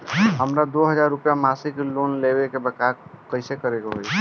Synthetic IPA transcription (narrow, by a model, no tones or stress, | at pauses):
ɦəmɾad̪oɦəd͡ʒaɾːupjamasiklonlebekebəkakəɪsekəɾekoɦoj